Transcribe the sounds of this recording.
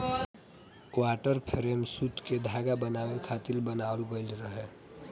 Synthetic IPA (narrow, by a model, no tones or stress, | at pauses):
kwaʈəɾpʰɾemsut̪ked̪ʱaɡabənawekʰat̪ilbənaolɡəɪlɾəɦe